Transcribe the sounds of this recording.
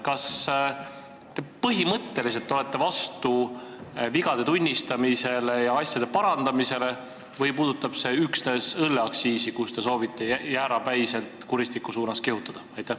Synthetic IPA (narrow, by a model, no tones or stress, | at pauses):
kɑs | t̪e̞pɤɦimɤt̪ːe̞lis̬elt̪ːo̞le̞t̪ːˑe̞vɑst̪u | viɡ̥ɑd̪̥e̞t̪unʲːist̪ɑmise̞le̞jɑɑsʲjɑd̪e̞pɑɾɑnd̪ɑmise̞le̞ | vɤjpuːd̪̥ut̪ːˑɑb̥se̞yksne̞sɤlːeɑksiːsikust̪e̞so̞ːvit̪ːˑe̞jæːɾɑpæjse̞lt̪ˑkuɾist̪ikːˑusuːnɑskeɦut̪ːˑɑd̪̥ɑɑjt̪ːˑæh